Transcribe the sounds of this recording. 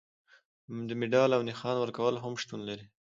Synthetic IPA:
d̪əmɪɖɑlawnɪxɑnwəɾkawəlɦamʃt̪unlaɾi

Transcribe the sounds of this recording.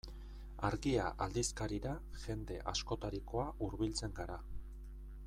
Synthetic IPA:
aɾɣiaʔald̪iskaɾiɾa | ʝe̞nd̪e̞ʔasko̞t̪aɾiko̞aʔuɾβilt͡se̞ŋɡaɾa

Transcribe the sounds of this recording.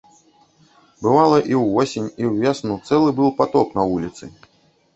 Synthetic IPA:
bɨvalˠɐʔiwːɔsʲenʲiwvʲɛsnut̪sɛlˠɨbɨlˠpat̪ɔknɐvulʲit̪sɨ

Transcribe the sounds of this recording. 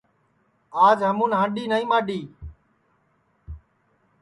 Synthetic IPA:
aːd͡ʒɦəmũːnɦãːɳɗiːnəːĩːmãːɗiː

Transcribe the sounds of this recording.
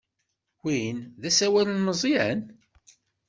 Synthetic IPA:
winðæsæwælənməzˤiæn

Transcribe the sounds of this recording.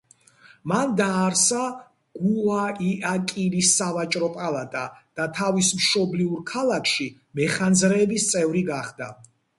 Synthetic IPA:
mand̪aːɾsa | ɡ̥uaiʔakʼilisːavat͡ʃʼɾɔpʼalˠat̪ʼa̰d̪̥at̪ʰavismʃɔbliuɾkʰalˠakʰʃi | mɛχanzɾɛːbist̪sʼɛvɾiɡaχd̪a̰

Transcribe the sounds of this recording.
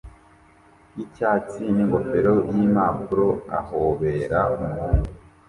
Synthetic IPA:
icaːt͡siniŋɡo̞feɾo̞jimaːpuɾo̞a̰hoːβeːɾaumuhuːŋɡu

